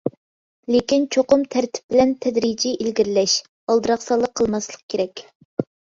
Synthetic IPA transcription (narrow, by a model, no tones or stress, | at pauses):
lekʲint͡ʃʰoqʊmt̪ʰæɾt̪ʰɪ̥p̚bɪlɛnt̪ʰɛd̪ɾid͡ʒiʔilɡʲiɾɪlɛʃ | ɑlˠd̪ɨɾɑχsɑlˠːəqʰəlˠmɑslˠəq̚kʲʰeɾɛkʲ